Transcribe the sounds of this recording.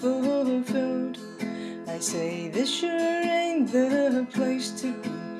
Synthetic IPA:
əɔðəfɪlˠd | aɪseɪðɪsʃɨɾəɹẽɪ̃nðɨʌðəpʰl̥eɪstʰɨ

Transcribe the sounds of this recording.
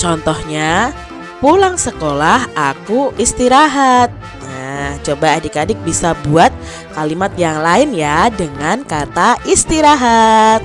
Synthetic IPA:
t͡ʃɔnt̪ɔhɲa | pulaŋsəkolahakuʔist̪iɾaɦat̪̚ | nat͡ʃobaːdikadɪk̚bisabuat̪̚ | kalimat̪̚jaŋlaɪnjadəŋankat̪aist̪iɾaɦat̪̚

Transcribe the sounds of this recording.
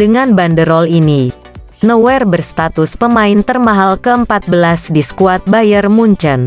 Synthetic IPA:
dəŋanbandəɾɔlini | nəwɛrbərst̪at̪ʊspəmaɪnt̪ərmaɦalkəəmpat̪̚bəlasdisə̥kuat̪̚bajərmuɲt͡ʃən

